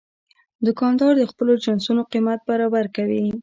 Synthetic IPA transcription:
d̪ʊkɑnd̪ɑɾd̪əxpəlod͡ʒansunoqimat̪̚baɾɑbaɾkawi

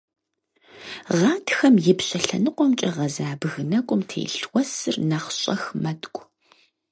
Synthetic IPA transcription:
ʁɑːtʰxɐmjɪpɕʼɐɬɐ̰nɨqʷʼɔmt͡ʃʼɐʁɐzaːbɨɣɨnɐkʷʼʊmtʰḛːɬwʷɔsɨrnaχɕʼɐ̰xmɐtkʷʼ

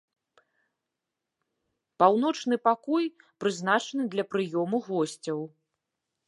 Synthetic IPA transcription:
pawn̪ɔt͡ʂnɨpakɔjpɾɨznat͡ʂɐnɨd̪lʲɐpɾɨjɔmuɣɔsʲt͡sʲɐw

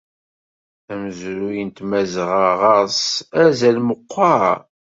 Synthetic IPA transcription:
æməzɾujənt̪mæzʁaʁɑsæzælməqʰʷːɑɾ

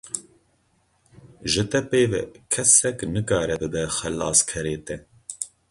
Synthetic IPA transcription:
ʒɨt̪ɛpeːvɛ̰kʰɛsɛknɨkɑːɾɛbɨd̪ɛxɛlːɑ̰ːskʰɛɾeːt̪ɛ

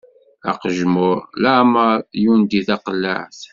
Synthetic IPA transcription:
æ̰qəʒmʊɾlaməɾjund̪iðɑqlːa̰ʕθ

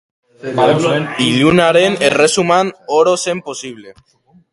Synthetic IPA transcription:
iðunaɾeneresumanoɾosemposiβle

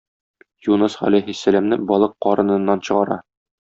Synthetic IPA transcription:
junɤsʁɒ̰læjɦisːælæmnɘbɒlˠɤqːɒɾɤ̆nɤ̆nːɑnɕɤ̆ʁɑɾɑ

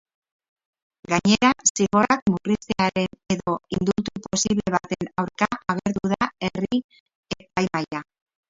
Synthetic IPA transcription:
ɡaɲe̞ɾasiɣo̞ak̚mukrist̪e̞aɾe̞ne̞ðo̞ind̪ult̪upo̞siβle̞β̞at̪e̞nawɾkaʔaɣ̞e̞ɾðuðae̞ri | epajmaja

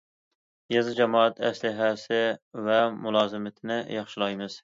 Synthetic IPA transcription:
jɑzɨd͡ʒɛmɑːæt̪ʰæ̰slɪɦæsɪvɛmʊlˠɑːzɨmɪt̪ʰɪnɪjɑχʃɪlˠɑjmɨz̥

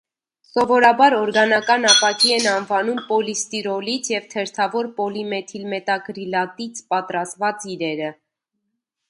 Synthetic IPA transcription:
sɔvɔɾɑbɑɾɔɾɡɑnɑkɑnɑpɑkiɛnɑnvɑnumpɔlist̪iɾɔlit͡sʰjɛvt̪ʰɛɾt̪ʰɑvɔɾpɔlimɛt̪ʰilmɛt̪ɑkɾilɑt̪it͡sʰpɑt̪ɾɑst̪vɑt͡siɾɛɾə

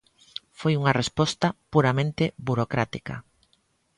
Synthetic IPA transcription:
fojuŋɐrespɔst̪ɐpuɾamẽnt̪ebuɾokɾat̪ikɐ̰

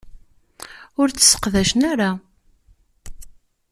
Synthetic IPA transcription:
ʊɾt͡sːsːə̥qðæʃnaɾa

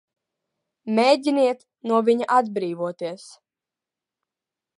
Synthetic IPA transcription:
mʲeːɟʲiniɛt̪ | nuɔvʲiɲaʔad̪bɾiːvuɔt̪iɛs

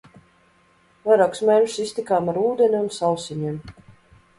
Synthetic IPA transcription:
vajɾaːksmʲɛnʃsisʲt̪ʲikaːmaɾuːd̪enʲumsawsʲiɲʲem

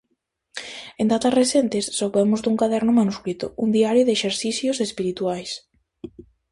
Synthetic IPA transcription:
end̪at̪asresent̪esːowβɛmʊzd̪uŋkaðɛɾnʊmanuskɾit̪o̰und̪iaɾjoðeːʃeɾθiθjosespiɾit̪uajs

